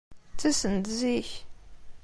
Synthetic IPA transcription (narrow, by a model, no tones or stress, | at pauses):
t͡sːæsənt̪ziç